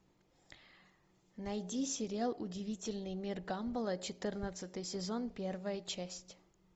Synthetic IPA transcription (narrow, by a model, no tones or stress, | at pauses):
nɐjdʲisʲɪɾʲɪalˠʔʊdʲɪvʲitʲɪlʲnɨjmʲirɡambəlˠət͡ɕɪt̪ɨrnət̪sɨt̪ɨjsʲɪzo̞npʲe̞rvəjət͡ɕæsʲtʲ